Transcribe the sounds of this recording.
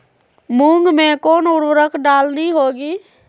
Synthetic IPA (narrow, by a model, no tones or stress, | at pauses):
mũːŋɡmẽkoːnʊɽwɾəkʰɖaːlniɦoːɡiː